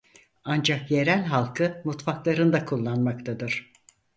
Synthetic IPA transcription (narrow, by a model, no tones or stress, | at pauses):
and͡ʒakje̞ɾælʲɦalˠkʰɯmut̪faklˠaɾɯnd̪akʰulˠːanmakt̪ʰad̪ɯɾ̥